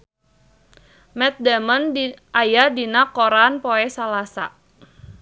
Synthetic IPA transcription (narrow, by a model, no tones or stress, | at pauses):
mɛt̪̚damənʔajadinakoɾanpoɛsalasa̰